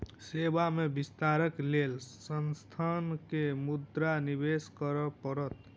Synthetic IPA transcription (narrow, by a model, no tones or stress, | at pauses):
sebamebist̪aɾəklelsənst̪ʰankemud̪ɾanibeskəɾɔpəɾət̪